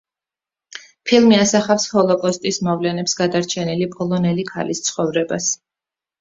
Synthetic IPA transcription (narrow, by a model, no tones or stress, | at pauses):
pʰilˠmiasaχafshɔlˠɔkʼɔst̪ʼismɔvlɛnɛpsɡad̪aɾt͡ʃʰɛnilipʼɔlˠɔnɛlikʰa̰list̪sʰχɔvɾɛbas